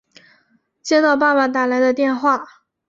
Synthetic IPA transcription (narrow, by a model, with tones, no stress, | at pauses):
t͡ɕjɛ˥t̪ɑ˥˧ʊpa˥˩ma˨˩t̪a˥˩la˧˥ɪd̪ə˧t̪jɛ˥˧nxwa˥˩